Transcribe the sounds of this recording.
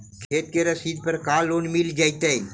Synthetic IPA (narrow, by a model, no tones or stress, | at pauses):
kʰeːt̪̚keɾɐsiːd̪̚pəɾkaːlːoːnmild͡ʒajt̪əjn